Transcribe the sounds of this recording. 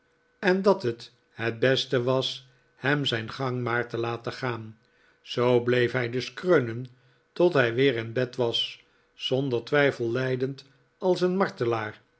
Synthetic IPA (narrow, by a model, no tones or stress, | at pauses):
ɛndɑtət | hɛt̚bɛstəʋɑs | hɛmzɛjnχɑŋmaːɹtəlaːtəχaːn | z̥owblejfɦɛjdɵskrønən | tɔtɦɛjʋɪːʁɪnbɛtʋɑs | sɔndəɹtʋɛjfəlˠlɛjdənt | ɑlˠsənmɑɹtəlaːɹ